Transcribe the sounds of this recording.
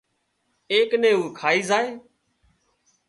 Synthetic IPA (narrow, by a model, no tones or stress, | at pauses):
eːknẽːuːkʰaːiːzaːeː